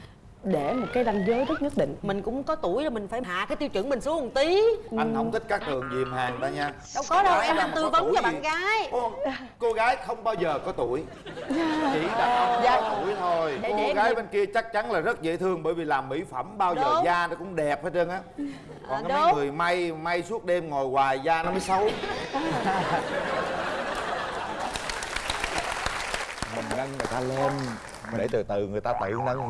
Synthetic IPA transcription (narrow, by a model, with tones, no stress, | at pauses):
ɗe˧˩mo˨˩t̚kaː˨˦jɗa˧ŋzəː˨˦jzə˦˥t̚ɲə˦˥t̚ɗḭ˧˨ŋ̟mï˨˩ŋ̟kʊ̰˧˥ŋ͡mkɔ˨˦t̪u˧˩əjzo˨˩mi˨˩ŋ̟faː˧˩jɦa̰ː˧˨kaː˨˦jt̪i˧wt͡ɕɨ̰˧˥əŋmï˨˩ŋ̟su˨˦hʊ˨˩ŋ͡mt̪i˨˦ʔa˧ŋhə˧wŋ͡mt̪ʰï˦˥k̟̚kaː˦˥k̚t̪ʰɨ˨˩əŋzḭ˨˩əmhaː˨˩ŋt̪a̰ː˧˩ɲaː˧ | ɗə˧˦wŋ͡mkɔ˨˦ɗə˧wʔɛ˧mɗaː˧mt̪ɨ˧və˨˦wnt͡ɕa˨˩ɓa̰ː˨nɣaː˨˦j | ko˧ɣaː˨˦jxə˧wŋ͡mɓaː˧wzəː˨˩kɔ˨˦t̪u˧˩˨əj | t͡ɕḭ˧˩˥ɗaː˨˩˧zaː˧t̪u˧˩əjt̪ʰo˧jɣaː˨˦jɓe˧nki˧ət͡ɕa˦˥k̚t͡ɕa˨˦nlaː˨˩zə˦˥t̚zḛ˧˥t̪ʰɨ˧əŋɓəː˧˩jvi˨˩laː˨˩mːḭ˧˥fə˧˩mɓaː˧wəəː˨˩˨zaː˧nɔ˨˦kʊ̰˧˥ŋ͡mɗɛ˨˩p̚faː˨˦t͡ɕə˧nʔaː˨˦ | ʔkɔ˨˩n˨˦˨ŋɨ˨˩əjma˧jma˧jsu˦˥ət̚ɗe˧mŋo˨˩jɣwaː˨˩jzaː˧nɔ˨˦məː˨˦jsə˨˦w | mï˨˩ŋ̟ɗa˧ŋŋɨ˨˩əjt̪aː˧le˧m˨˩ | ɗḛ˧˩t̪ɨ˨˩t̪ɨ˨˩ŋɨ˨˩əjt̪aː˧t̪ɨ̰˧˨nə˧ŋ